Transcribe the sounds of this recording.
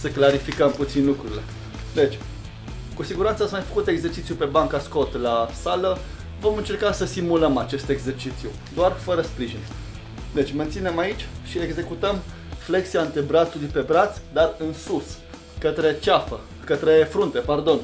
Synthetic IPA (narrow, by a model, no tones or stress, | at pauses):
səklaɾifikəmput̪sinlukɾuɾile̞̰ | d̪e̞t͡ʃʲ | kusiɡuɾant̪səatsmajfə̥kut̪e̞ɡze̞rt͡ʃit̪sjupe̞baŋkasko̞t̪lasalə | vo̞mɨnt͡ʃe̞rkasəsimuləmat͡ʃe̞st̪e̞ɡze̞rt͡ʃit̪sijṵ | d̪oarfəɾəspɾiʒin | d̪e̞t͡ʃʲment̪sine̞mait͡ʃʲʃieɡze̞kut̪əm | fle̞ksiaɨnt̪ɾebɾat̪sulujpe̞bɾat̪sʲd̪arɨnsus | kət̪ɾe̞t͡ʃafə | kət̪ɾe̞fɾunt̪e̞pard̪o̞n